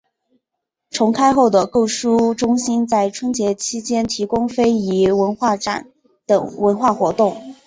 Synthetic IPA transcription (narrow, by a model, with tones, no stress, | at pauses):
ʈ͡ʂʰʊ˧˥ŋkʰa˥ɪxo˥˩ʊd̪ə˩ko˥˩ʊʂu˥ʈ͡ʂʊ˥ŋɕi˥nt͡sa˥˩ɪʈ͡ʂʰwə˥nt͡ɕjɛ˧˥t͡ɕʰi˥t͡ɕjɛ˥nt̪ʰi˧˥kʊ˥ŋfe˥ɪi˧˥wə˧˥nxwa˥˩ʈ͡ʂa̰˨˩˦n | t̪ɤ̰˨˩ŋwə˧˥nxwa˥˩xwɔ˧˥t̪ʊ˥˩ŋ